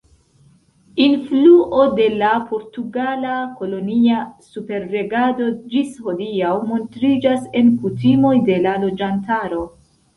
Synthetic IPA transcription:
influʔo̞de̞lapʰo̞ɾtuɡalako̞lo̞niasupe̞ɾːe̞ɡado̞d͡ʒisho̞diawmo̞ntɾid͡ʒase̞nkutimo̞jde̞lalo̞d͡ʒantaɾo̞

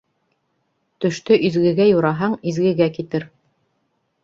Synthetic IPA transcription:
t̪ɵ̆ʃt̪ɵʔizɡɘ̆ɡæjuɾɑɦɑɴizɡɘ̆ɡækit̪ɘɾ

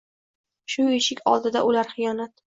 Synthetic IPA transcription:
ʃʊeʃɪkʲʰɒ̰lˠd̪ɪd̪a̰ʔʊlaɾχɨjɒnat̪

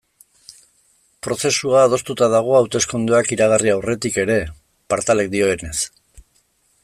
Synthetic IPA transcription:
pɾo̞se̞suaːð̞o̞st̪ut̪aðaɣ̞o̞awt̪e̞sko̞nd̪uakiɾaɣ̞ariawre̞t̪ike̞ɾe̞ | paɾt̪ale̞k̚d̪io̞ene̞s

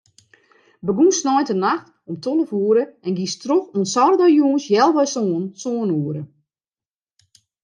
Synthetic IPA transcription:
bəɡunsnɔjtənaxt | ɔmtʰonəfuːəɾəɛnɡistroxonsɔrdɔjuənsjɛlˠʋɛjsonsoːnuəɾə

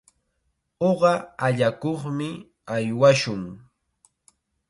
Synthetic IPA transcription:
oɢɑaʎakoχmɪ | ajwaʃʊŋ

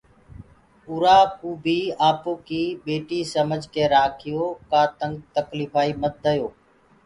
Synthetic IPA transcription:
ʊɾaːpuːbʱiːaːpoːkiːɓeːʈiːsəməd͡ʒʱkeːɾaːkʰɪjoːkaːt̪əŋɡt̪əkliːfaːiːmət̪̚d̪əjoː

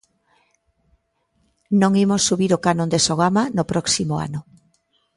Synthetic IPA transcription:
nõŋimosːuβiɾokanõnd̪esoɣamanopɾɔksimoa̰nʊ

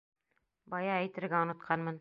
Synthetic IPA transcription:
bɑjɑæjt̪ɘ̆ɾɡæŏnɤ̆t̪̚qʰɑnmɤn

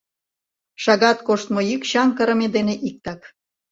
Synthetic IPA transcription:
ʃɑɣɑt̪koʃt̪mojykɕɑŋkəɾə̆med̪eneʔik̚t̪ɑk

